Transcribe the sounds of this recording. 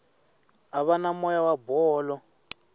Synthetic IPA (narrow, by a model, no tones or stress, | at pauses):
aβanamɔjawabɔːlɔ